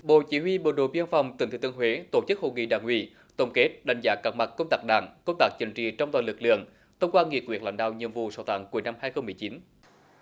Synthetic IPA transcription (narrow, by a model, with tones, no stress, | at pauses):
ɓo̰˧˨t͡ɕi˨˦ɦwi˧ɓə˧˨˩ɗo̰˧˨ɓi˧ənfa˨˩wŋ͡mt̪i˨˩ŋt̪ʰːt̪ɨ˧əɦwe˨˦t̪o˧˩t͡ɕɨ˦˥k̚ho̰˧˨ŋḭ˧˨ɗaː˧˨˩ŋwḭ˧˩˨ | t̪ə˧˩wŋ͡mke˦˥t̚ɗa˧˩jŋ̟zaː˨˦kaː˨˥ma˨˩kːə˧wŋ͡mt̪aː˦˥k̚ɗa̰ː˧˩ŋkə˧wŋ͡mt̪aː˦˥k̚t͡ɕï˧˩ŋt͡ɕḭ˧˨t͡ɕɔ˧wŋ͡mt̪waː˧˩lɨ˨˩k̚lɨ̰˧˨əŋ | t̪ʰə˧wŋ͡mkwaː˧nŋi˨˩ək̚wət̚la̰˧˦jŋ̟ɗa̰ː˧˨wɲḭ˧˨əmvṵ˧˨saː˧˩t̪a̰ː˧˨˦ŋku˨˦əjna˧mhaː˧jxə˧wŋ͡mmɨ˨˩əjt͡ɕi˨˦n